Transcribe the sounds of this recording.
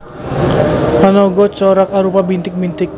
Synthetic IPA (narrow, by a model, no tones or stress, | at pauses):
ʔanɔɡɔt͡ʃɔɾakaɾupabint̪ɪk̚bint̪ɪk̚